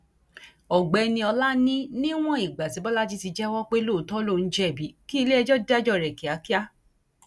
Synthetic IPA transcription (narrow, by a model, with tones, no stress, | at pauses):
ɔ˨ɡ͡bɛ˨˧˦nĩ˧ɔ˧la˦nĩ˦nĩ˦w̃ɔ̃˦i˨ɡ͡ba˨ti˨˦bɔ˦la˦ti˦ti˧d͡ʒɛ˦wɔ˦k͡pe˦lo˦˨tɔ˦lo˦˨n̩˦d͡ʒɛ˦˨bi˨˦ki˦˧le˦ɛ˧d͡ʒɔ˦da˦d͡ʒɔ˦˨ɾɛ˨ki˨a˨˦ki˦a˦